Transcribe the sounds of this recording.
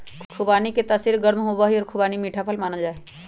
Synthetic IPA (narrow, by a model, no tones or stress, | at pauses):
kʰubaːniket̪əsiɾɡəɾmɦobaɦiɔːɾkʰubaːnimiːʈʰapʰəlmaːnəld͡ʒaːe